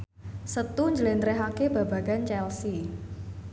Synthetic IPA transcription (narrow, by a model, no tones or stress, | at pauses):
sət̪uɲd͡ʒəlent̪ɾɛɦakeb̥a̤b̥a̤ɡ̥ant͡ʃɛlsi